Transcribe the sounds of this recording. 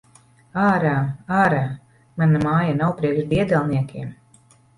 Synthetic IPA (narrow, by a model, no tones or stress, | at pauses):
aːɾaːaːɾaː | manamaːjanawpɾiɛkʒd̪iɛd̪ɛlˠniɛkʲʰiɛm